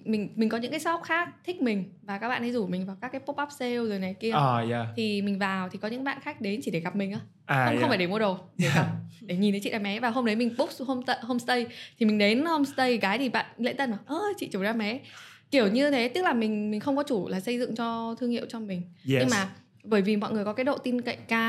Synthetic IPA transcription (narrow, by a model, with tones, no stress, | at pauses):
mï˨˩ŋ̟mi˨˩ŋkɔ˨˦ɲɨ̰˧˥ŋkaː˨˦sɔ˦˥p̚xaː˦˥k̚t̪ʰï˦˥k̟̚mï˨˩ŋ̟vaː˨˩ka˦˥ɓa̰ː˧˨nʰ˨˦zu˧˩mï˨˩ŋ̟vaː˨˩wkaː˦˥kːaː˨˦jpo˦˥p̚a˦˥p̚se˧wzoː˨˩jna˨˩jki˧ə˨˩ja˧t̪ʰi˨˩mï˨˩ŋ̟vaː˨˩wt̪ʰi˨˩kɔ˨˦ɨ̰˧˥˧ɓa̰ː˧˨nxaː˦˥k̟̚ɗe˨˦nt͡ɕi˧˩ɗe˧˩ɣa˨˩p̚mï˨˩ŋ̟ʔaː˧˩ | aː˧˨˧xə˧faː˧˩ɗe˧˩mu˧əɗo˨˩e˧˩a˨˩ɗe˧˩ɲi˨nt̪ə˨˦t͡ɕḭ˧˨ʔaː˨˩mɛ˨˦vaː˨˩ɦo˧mɗə˨˦jmï˨˩ŋ̟ɓʊ˦˥k͡p̚so˧mə˧ɦo˧mst̪ə˧jt̪ʰi˨˩mï˨˩ŋ̟ɗe˨˦nho˧wŋ͡mst̪ə˧jɣaː˨˦jt̪ʰi˨˩ɓa̰ː˧˨nlḛ˧˥t̪ə˧nʔə˨˩ʔəː˧t͡ɕḭ˧˨t͡ɕu˧˩zaː˧mɛ˨˦ki˧˩əwɲɨ˧t̪ʰe˨˦t̪ɨ˦˥k̚laː˨˩mï˨˩ŋ̟mi˨˩ŋ̟xə˧wŋ͡mkɔ˨˦t͡ɕu˧˩laː˨˩sə˧jzɨ̰˧˨ŋt͡ɕɔ˧t̪ʰɨ˧əŋhḭ˧˨wt͡ɕɔ˧mï˨˩ŋ̟ɨ˧ŋmaː˨˩ | ɓəː˧˩jvi˨˩mɔ̰˧˨jŋɨ˨˩əjkɔ˨˦kaː˨˦ɗo̰˧˨t̪i˧nkə̰˧˨jŋkaː˧